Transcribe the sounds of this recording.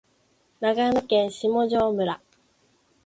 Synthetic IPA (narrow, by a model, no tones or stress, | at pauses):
naɡamɯ̟kẽ̞ɰ̃ɕimo̞ʑo̞ːmɯ̟ɾa